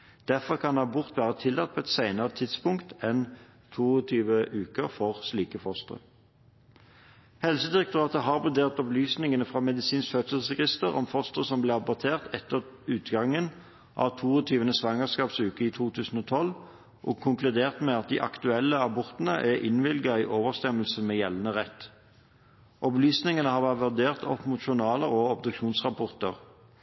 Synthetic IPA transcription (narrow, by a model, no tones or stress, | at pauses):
d̪̥æʁfɔʁkʰɑnɑbʊʁt̪ʋæːʁət̪ʰɪlːɑt̪̚pʰɔːɛt̪sæɪnəʁət̪ʰɪd̪spʊŋkt̪ɛn | t̪ʰuːɔt̪ʰyːʋəʔʉːkəʁfɔʁsliːkəfɔst̪ʁə̰ | hɛlsəd̪ɪʁɛk̚t̪ʊʁɑːt̪əɦɑːʁbʁʉd̪eːʁt̪ɔblyːsnɪŋənəfʁɑmɛd̪ɪsiːnskfœt̪səl̩sɛɡɪst̪əʁɔ̰mfɔst̪əʁəsɔmblɪːʁɑbɔʁt̪ʰeːʁt̪ʰɛt̪ːəʁʉːt̪ɡɑŋːən | ʔɑ̰ʋt̪ʰuːɔt̪ʰyːʋənəsʋɑŋəʁskɑːpsʉːkəiːt̪ʰuːt̪ʰʉːsn̩ɔːt̪ʰɔl | ʔɔ̰ːɡ̚kʰʊŋklʉd̪eːʁt̪mɛɑt̪̚d̪ɪ̰ʔɑ̰kt̪ʉɛlːəɑbɔʁt̪nə̰ʔɛʁʔɪnʋɪlɡɑiːʔoːʋəʁst̪ɛməlsən̩mɛːjɛlːnəʁɛt̪ː | ʔɔblyːsnɪŋənəhɑːʁʋæʁt̪ʋæʁd̪eːʁt̪ʰɔ̰pːmʊt̪ʃʊnɑːləʁoːɔbd̪ʉkʃuːnsʁɑpʰɔʁt̪əʁ